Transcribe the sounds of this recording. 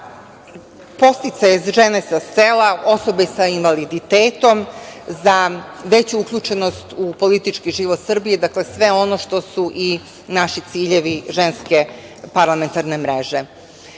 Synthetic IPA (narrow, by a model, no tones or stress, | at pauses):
po̞st̪it̪sajezʒenesase̞lao̞so̞besainʋalid̪it̪eːt̪o̞mzaʋe̞t͡ɕuukʎut͡ʃeno̞st̪upo̞lit̪it͡ʃkiʒiʋot̪sr̩bijed̪akle̞sʋe̞o̞noʃt̪o̞suʔi | naʃit̪siːʎeʋiʒe̞nske̞ | paɾlˠame̞nt̪aɾne̞mɾe̞ʒe̞